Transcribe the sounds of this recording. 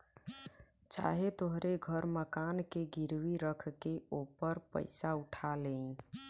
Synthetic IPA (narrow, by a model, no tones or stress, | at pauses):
t͡ʃa̰ɦet̪oɦɾeɡʱəɾməkankeɡiɾwiɾəkʰkeopəɾpə̰ɪsauʈʰalẽ